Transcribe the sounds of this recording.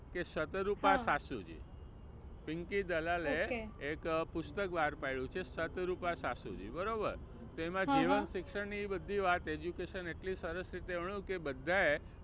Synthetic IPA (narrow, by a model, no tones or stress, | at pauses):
kesət̪ɾupãsasud͡ʒḭ | piŋkid̪əlaleekpʊst̪əkbaɾpaiɭũt͡ʃʰesət̪ɾupasasṵd͡ʒḭbəɾobə̰ɾ | t̪oemãd͡ʒiʋənsɪkʃəɳniːbəd̪ʱːiʋat̪ed͡ʒukeʃəneʈlisəɾəsɾit̪eəɳũkebəd̪ʱːae